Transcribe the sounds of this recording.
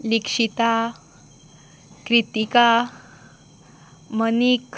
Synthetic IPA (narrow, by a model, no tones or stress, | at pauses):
likʂit̪a | kɾit̪ika | mənik